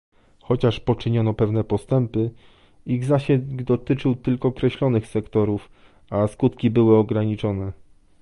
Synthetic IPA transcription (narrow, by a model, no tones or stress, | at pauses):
xɔt͡ɕaʂpɔt͡ʂɘɲɔnɔpɛvn̪ɛpɔst̪ɛmpɘ | iɣzaɕɛd̪ɔt̪ɘt͡ʂɘwt̪ɘlkɔːkɾɛɕlɔnɘxsɛkt̪ɔɾuf | askut̪kʲibɘwɘɔɡɾaɲit͡ʂɔnɛ